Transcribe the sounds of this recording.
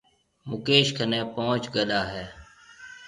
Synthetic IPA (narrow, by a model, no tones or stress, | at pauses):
mʊkeːʃkʰənɛ̃ːpõːt͡ʃɡəɗaːɦɛː